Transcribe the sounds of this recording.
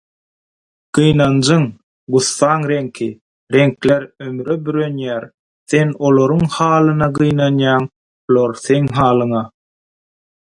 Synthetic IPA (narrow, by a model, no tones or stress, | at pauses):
ɢ̥ɯjnɑnd͡ʒɯŋ | ɢuθːɑːŋɾe̞ŋkʰi | ɾe̞ŋkleɾømyɾøbyɾø̞njæːɾ | θe̞no̞lˠoɾuŋhɑːlˠɯnɑɢɯjnɑnjɑːŋ | lˠoɾθe̞ŋɦɑːlˠɯŋɑ